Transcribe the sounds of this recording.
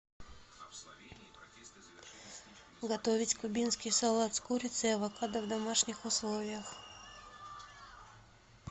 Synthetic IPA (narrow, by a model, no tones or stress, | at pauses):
ɡat̪ovisʲkubinskisalˠat̪skuɾit̪seʋakad̪avd̪amaʃɲixoslˠovjax